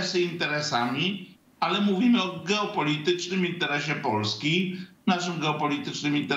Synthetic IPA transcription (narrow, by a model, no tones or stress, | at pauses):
seint̪ɛɾɛsami | alemuvimeɔɡɛwpolit̪ɨt͡ʃnɨmint̪ɛɾɛʃ̬epɔlskʲijnazɨmɡɛwpolit̪ɨt͡ʃnɨmint̪ɛ